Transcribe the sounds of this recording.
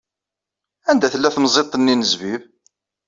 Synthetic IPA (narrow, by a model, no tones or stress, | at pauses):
ænd̪æθəlːæθmzˤet̪ˤːənːinəzviv